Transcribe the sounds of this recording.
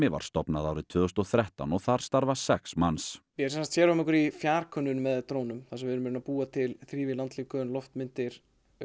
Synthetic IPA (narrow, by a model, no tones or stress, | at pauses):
ɪva̰ɾ̥st̪ɔpnaðaːwɾɪt̪ʰvʏːɣʏst̪ɔɣθɾɛht̪anɔɣθaɾ̥st̪aɾvasɛksmansmjɛsɛnsḁkt̪sjɛːɾʏamɛhkʏɾifjaːɾ̥kʰœnːʏnmɛðt̪ɾoːwnʏmθasɛmvɪɾmɪɾʏnapuːat̪ʰɪlθɾiːvɪlant̪liːkœnlɔft̪mɪnt̪ɪɾ̥